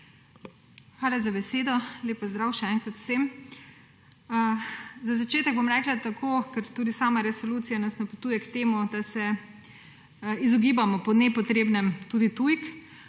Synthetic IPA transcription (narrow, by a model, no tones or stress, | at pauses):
xʋaːlazabɛseːd̪ɔleːpɔzd̪ɾawʃɛɛːnkɾat̪w̥sem | zazat͡ʃeːt̪ɛɡ̚bomɾɛklat̪akʰokɛɾt̪uːd̪isaːmaɾɛsoluːt̪sijanasnapot̪uːjɛkt̪eːmud̪asɛ | izɔɡiːbamɔpɔnɛpɔt̪ɾeːbnɛmt̪uːd̪it̪ujk